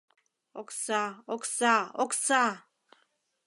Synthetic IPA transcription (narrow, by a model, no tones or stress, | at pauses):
ɔksaɔksaɔksa